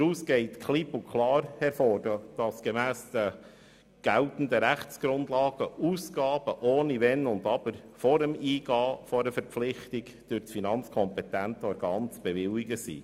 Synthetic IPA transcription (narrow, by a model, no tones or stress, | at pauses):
ɾuːsɡ̥ɛɪtkʰlipukʰlɑːɾhɛɾfoːɾdd̥ɑsɡ̥emæːsd̥ə | ɡ̥æltn̩dəɾæχt͡sɡ̥ɾʊndlɑːɡ̥əuːsɡ̥ɑːb̥əʔoːniʋɛnʊnd̪ɑb̥əɾfɔɾəmiːɡɑːfɔɾəfɛɾpp͡flɪχtiɡ | d̥ʏɾt͡sfinɑnt͡skʰɔmpɛtæntɔɾɡɑːnt͡sb̥eʋɪliɡəsḭː